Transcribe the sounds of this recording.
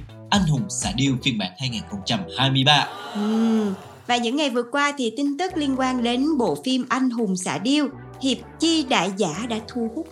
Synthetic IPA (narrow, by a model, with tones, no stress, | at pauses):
ʔa˧jŋ̟ɦʊ˨˩ŋ͡msa̰ː˧˩˥ɗi˧əwt͡ɕi˧ənɓa̰ː˧˥nhaː˧jŋaː˨˩nxə˧wŋ͡mt͡ɕa˧mhaː˧jmɨ˧jɓaː˧ʔɨ˨˩ | vaː˨˩ɲɨ̰˧˥ŋːa˨˩jvɨ˨˩əkwaː˧t̪ʰi˨˩t̪ï˧ŋt̪ɨ˦˥k̚li˧ənkwaː˧nɗe˨˦nɓo̰˧˨fi˧mʔa˧jŋ̟ɦʊ˨˩ŋ͡msa̰ː˧˩˥ɗi˧əw | hi˨˩əp̚t͡ɕi˧ɗa̰ː˧˨jzaː˧˥ɗa̰ː˧˥t̪ʰu˧əhʊ˦˥t̚